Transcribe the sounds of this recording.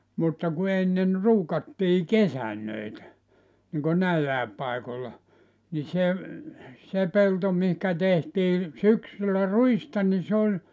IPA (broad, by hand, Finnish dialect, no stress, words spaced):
mutːɑ ku enːen ruːkɑtːiː kesænːøitæ niŋko næilːæˑep pɑikolːɑ ni se se pelto mihkæ tehtiː syksylːæ ruistɑ ni se olʲ